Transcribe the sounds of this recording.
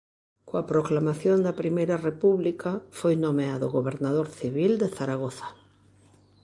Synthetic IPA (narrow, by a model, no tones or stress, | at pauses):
koapɾoklamaθjond̪ɐpɾimejɾɐrepuβlikafojnomeaðoɣoβeɾnað̞oɾθiβild̪eθaɾaɣ̞oθḁ